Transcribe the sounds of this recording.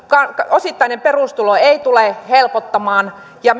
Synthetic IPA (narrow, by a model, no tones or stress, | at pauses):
kɑkosit̪ːɑinemperust̪uloeit̪ulehelpot̪ːɑmɑːn | jɑ